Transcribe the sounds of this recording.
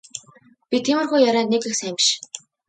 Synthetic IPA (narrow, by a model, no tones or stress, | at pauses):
pʲit̪ʰimɘ̆rxujːaɾæːnekɘ̆xsæːmʃ